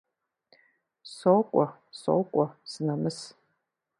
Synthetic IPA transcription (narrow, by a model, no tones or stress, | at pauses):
sokʷʼɔ | so̰ːkʷʼɔsɨnɐmɨs